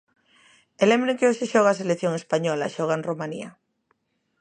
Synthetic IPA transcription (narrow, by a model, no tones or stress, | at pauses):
elẽmbɾeŋkeoʃeʃoɣaseleθjoŋespaɲɔla̰ʃoɣ̞anromanḭa̰